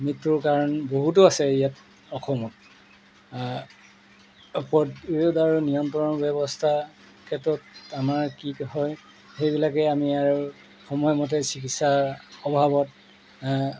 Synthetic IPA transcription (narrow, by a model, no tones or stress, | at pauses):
mitːuɹkaɹɔnboɦutʊasɛijat | ɔxʰɔmɔt̚ | pɔdjudaɹunijɔntɹɔnɔbɛbɔstʰa | kʰɛtɔtamaɹkikhɔj | xejbilakɛamiaɹu | xɔmɔjɔmɔt̬ɛsikitsaɔbʱabɔt̚